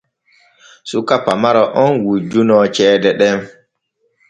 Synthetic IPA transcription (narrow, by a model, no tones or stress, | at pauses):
sukapamaɾaʔɔnwud͡ʒunɔt͡ʃɛːdɛɗɛn